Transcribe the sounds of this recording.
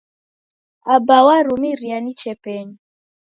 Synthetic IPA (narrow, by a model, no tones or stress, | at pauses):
abawaɾumiɾianit͡ʃɛpɛɲi